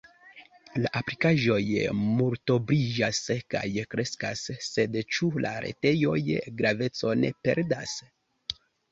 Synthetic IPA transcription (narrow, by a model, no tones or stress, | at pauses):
laʔaplikaʒo̞jmulto̞bɾiʒaska̰jkɾe̞skasːe̞dt͡ʃula̰ɾe̞̰te̞jo̞jɡɾave̞t͡so̞ne̞̰pe̞ɾdas